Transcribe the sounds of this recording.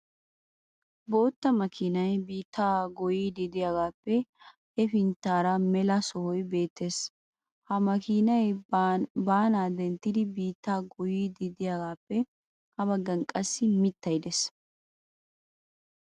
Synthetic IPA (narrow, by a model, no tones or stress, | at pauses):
bo̞ːt̪ːɐmɐkʰinɐjbiːt̪ːaːɡɔjiːd̪ɪd̪ɪjaːɡaːpːɛ | ʔɛfɪnt̪ːaːɾɐmɛlɐsɔhɔjbe̞ːt̪ːeːs | hɐmɐkinɐj | baːnaːd̪ɛnt̪ːɪd̪ɪbiːt̪ːaːɡɔjid̪ɪd̪ɪjaːɡaːpːɛ | hɐβɐɡɐŋkʼːɐsːɪmɪt̪ːɐjd̪es